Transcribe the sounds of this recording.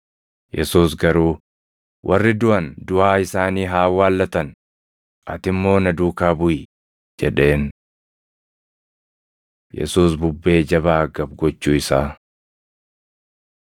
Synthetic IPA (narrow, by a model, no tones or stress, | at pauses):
jʔɛsuːs̬ɡɐɾuː | wʔɐrːɪd̪ʊʔɐnd̪ʊʔaːɪsaːniːɦaːwaːlːɐt̪ɐn | ʔɐt̪ɪmːo̞ːnɐd̪uːkaːbʊʔɪ | d͡ʒɛᶑe̞ːn | jɛ̰suːsbʊbːe̞ːd͡ʒɐbaːɡɐbɡɔt͡ʃːuːɪsaː